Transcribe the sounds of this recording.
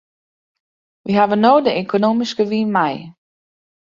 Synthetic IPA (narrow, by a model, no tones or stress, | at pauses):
ʋiɦavənoːdəekʰonoːmiskəʋiːnmɛj